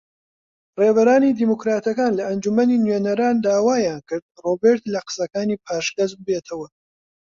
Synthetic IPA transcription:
reːbɐɾaːniːd̪imukɾaːt̪ɐkaːnlɐɐnd͡ʒumɐniːnɥeːnɐɾaːnd̪aːwaːjaːnkɨɾd̪̚robeɾt̪lɐqɨ̥sɐkaːniːpʰaːʃkɐzbɨbeːt̪ʰɐwɐ

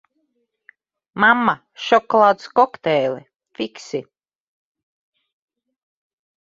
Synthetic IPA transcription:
mamːa | ʃɔkɔlˠaːt̪skɔkt̪ɛːlɛ | fiksi

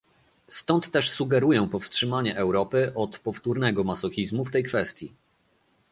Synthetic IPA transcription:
st̪ɔnt̪ːɛʂsuɡɛɾujɛ̃w̃pɔfstʂɘmaɲɛʔɛwɾɔpɘʔɔt̪pɔft̪uɾnɛɡɔmasɔxʲizmuft̪ɛjkfɛst̪ʲjḭ

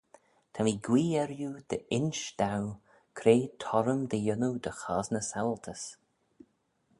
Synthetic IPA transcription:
t̪ʰamiːɡwiːɛɾjud̪̥əɪnʃd̪̥aw | kʰɾeːt̪ʰɔɾəmd̪əjʊnud̪əxaːznəsalt̪ʰəs

